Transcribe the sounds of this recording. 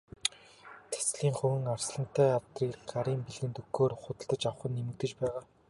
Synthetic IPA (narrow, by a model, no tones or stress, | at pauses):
t̪ʰæ̥sɮiːŋχɵwɘ̆ŋarsɮə̆n̥t̪ːæːawt̪riːkɢaɾiːmpiɮɣɘ̆nt̪ɵɡoːrχʊt̪ə̆ɮt̪ə̆t͡ɕaw̆χə̆nːemɘ̆k̚t̪ɘ̆t͡ɕpæːʁaː